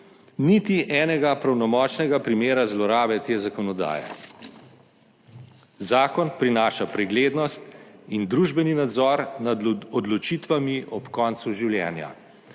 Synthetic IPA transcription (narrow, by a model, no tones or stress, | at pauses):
nit̪iʔɛːnɛɡapɾawnɔmɔːt͡ʃnɛɡapɾimeːɾazlɔɾaːbɛt̪eːzakɔnɔd̪a̰ːjɛ̰ | zaːkɔnpɾinaːʃapɾɛɡleːd̪nɔst̪ind̪ɾuʒbɛninad̪zɔːɾnaɔd̪lɔt͡ʃiːt̪ʋamiʔɔpkɔːnt̪suʒiwljɛ̰ːnja̰